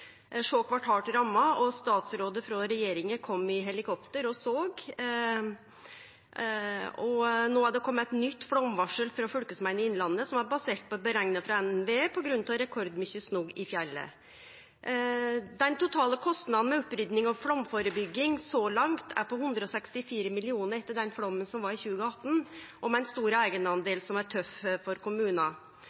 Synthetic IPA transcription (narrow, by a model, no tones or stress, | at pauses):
ʂoːkʰʋɑʈɑːʈɾɑmːɑɔst̪ɑːt̪sɾoːd̪əfɾɔɾɛjeːɾɪŋəkʰɔmːɪɦɛlɪkʰɔpt̪əɾɔsoːɡ | ɔnoːæɖ̪ɛkʰɔmːəæt̪nʏt̪ːfɽɔmʋɑʂəlfɾɑfœlkəsmæɪnəɪnlɑnːəsɔmæɾbɑseːʈ̚pʰɔbəɾæŋnəfɾɑɛnɛnʋeːpʰɔɡɾʉnt̪ʰɑɾɛkʰɔɾd̪mʏçəsnuɡɪfjɛlːə̰ | d̪ɛnt̪ʰʊt̪ʰɑːləkʰɔst̪nɑd̪n̩mɛʉpːɾʏd̪nɪŋɔfɽɔmfoːɾəbʏɡːɪŋsɔlɑŋt̪ʰæ̰ɾpɔhʉnd̪ɾəɔsɛkst̪ɪfiːɾəmɪlɪuːnəɾɛt̪ːəɖɛnfɽɔmːənsɔmʋɑɾɪçʉːɡəɑt̪ːn̩ʔɔmɛnst̪uːɾəæɪɡənɑnd̪eːlsɔmæɾʈʰœffɔɾkʊmʉːnɑ